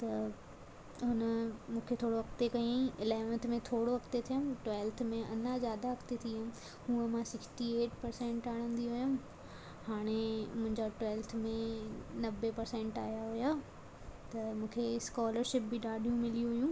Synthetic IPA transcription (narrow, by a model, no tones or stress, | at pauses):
t̪ɐ | ɦʊnəmũːkʰet̪ʰoːɽoʋɐkt̪ekɐĩɪlaːmə̃nt̪mẽt̪ʰoːɽoʋɐkt̪et̪ʰijʊmʈʋeːlt̪ʰmẽʔɐnazjaːd̪aɦɐkʰt̪et̪ʰiəm | hũːə̃mãsɪksʈieːʈpɐɾsẽɳʈaːɽ̃ə̃nd̪iɦʊjʊ̃m | haːɽ̃emʊ̃ɦɪ̃ɲd͡ʑaʈwɛːlt̪ʰmẽnɐbepɐɾsɛ̃ɳʈaːɦjaɦʊja | t̪ɐmũːkʰeskaːləɾʃɪp̚bɪɗaːɖʱijũmɪlijũɦʊjũː